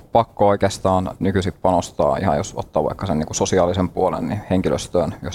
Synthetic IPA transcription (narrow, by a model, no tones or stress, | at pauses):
pɑkːooikeːst̪ɑːnnykysippɑnost̪ɑ̰ːḭhɑ̰jo̰so̰t̪ːɑːʋɑ̰ikːɑseniːŋkusosiɑːlisempuolḛnniheŋkilø̰st̪øːnjos